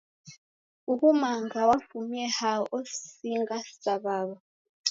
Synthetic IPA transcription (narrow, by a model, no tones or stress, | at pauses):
ukumaŋɡawafumɛhaʔosiŋɡastaβaːβa